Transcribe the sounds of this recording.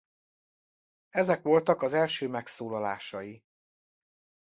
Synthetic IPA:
ɛzɛkʋo̞lt̪ɒkɒzɛlʃøːmɛksoːlɒlaːʃɒji

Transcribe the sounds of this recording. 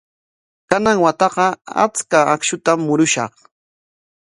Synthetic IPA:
kanaŋwat̪ɑɢɑa̰t͡skaakʃʊt̪amːʊɾʊʃɑ̰χ

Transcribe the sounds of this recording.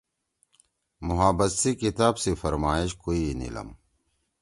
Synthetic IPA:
mʊɦaːbɐsikit̪aːbsifɐɾmaːiɕkoːinḭlɐ̰m

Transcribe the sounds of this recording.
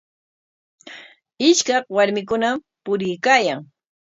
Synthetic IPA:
ɪʃkɑχwaɾmɪk̬ʊnam | pʊɾɪjkaːjaŋ

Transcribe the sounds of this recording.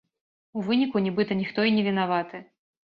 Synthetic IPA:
uvɨnʲikunʲɛbɨt̪ɐnʲixt̪ɔinʲɛvʲinavat̪ɨ

